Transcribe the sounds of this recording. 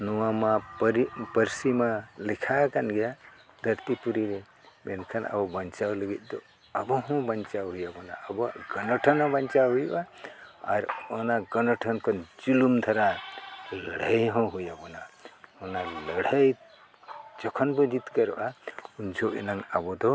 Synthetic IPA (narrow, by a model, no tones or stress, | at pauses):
nɔwamapɾipəɾsimalikʰakanɡɛja | d̪ʱəɾt̪ipuɾiɾe | benkʰana̰bɔbənt͡ʃawləɡit̪̚ˀd̪ɔ | abɔɦɔ̃bənt͡ʃawɦujabɔna̰əbɔɡɔnɔʈʰɔnɔ̃bənt͡ʃawɦujʔaa̰ɾɔnaɡɔnɔʈʰɔnkɔnd͡ʒulumd̪ʰʱaɾaləɽ̤əjɦɔ̃ɦujabɔnaɔnaləɽ̤əj | t͡ʃɔkʰɔnbod͡ʒit̪kəɾ̰ʔaund͡ʒʰoʔḭnaŋabɔd̪ɔ